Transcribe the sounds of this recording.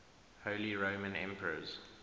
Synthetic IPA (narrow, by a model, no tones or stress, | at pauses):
hoʊliɹoʊmə̃nɛ̰̃mpʰəɹə̰z̥